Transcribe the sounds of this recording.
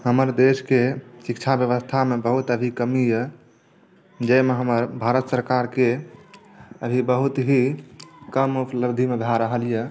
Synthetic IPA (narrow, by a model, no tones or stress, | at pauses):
həməɾd̪eskesikt͡ʃʰabjəʋəst̪ʰamebəɦut̪əbʱikəmijə | d͡ʒəjmeɦəməɾbʱaɾət̪səɾkaɾke | əbʱibəɦut̪ɦikəmupʰləbd̪ʱimed̪ʱaɾəɦəljə